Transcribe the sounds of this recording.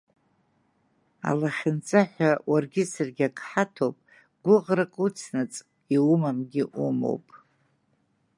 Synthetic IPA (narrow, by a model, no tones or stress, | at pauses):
a̰laχʲɪnt͡sʼaħʷawarɡʲɪsɨrɡʲakʰʼħatʰowpʼ | ɡʷʊʁrakʼut͡sʰnɨt͡sʼ | iwumamɡʲɪʔumo̰wpʼ